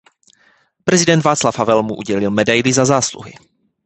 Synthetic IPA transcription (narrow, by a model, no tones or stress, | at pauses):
pɾɛzɪdɛnt̪vaːt͡slafɦavɛlmuʔuɟɛlɪlmɛdajlɪzazaːslṵɦɪ̰